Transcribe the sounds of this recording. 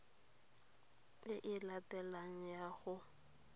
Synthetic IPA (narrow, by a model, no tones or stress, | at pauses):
ɪʔɪlatʼɛlaŋ̩jaɣʊ